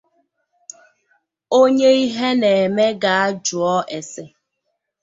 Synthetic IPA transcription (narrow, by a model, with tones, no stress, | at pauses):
o˦ɲe˦i˦ɦe˦ne˨me˦ɡa˨a˦d͡ʒu˨ɔ˦ʔe˨se˨